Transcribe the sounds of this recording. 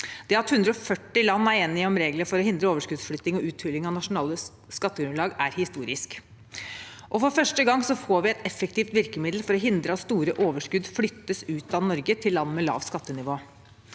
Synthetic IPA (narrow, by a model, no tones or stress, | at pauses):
d̪̥ɛːɑt̪hʉnd̪ɾəɔfœʈːɪlɑnːæɾeːnːɪɔmɾeːɡləɾfɔɾɔhɪnd̪ɾəoːʋəʂkʉd̪sflʏt̪nɪŋɔʉːt̪ʰʋʏlːɪŋɑʋnɑʂʊnɑːlə | skɑt̪ːəɡɾʉnlɑːɡæɾhɪst̪uːɾɪsk | ʔɔfɔɾfœʂʈəɡɑŋːsɔfoːɾʋɪɛt̪ɛfəkt̪ʰiːft̪ʋɪɾkəmɪd̪l̩fɔɾɔɦɪnd̪ɾəɑt̪st̪uːɾəʔoːʋəʂkʉd̪flʏt̪ːəsʉːt̪ɑʋnɔɾɡət̪ʰɪlːɑnːmɛlɑ̰ːʋskɑt̪ːənɪʋoː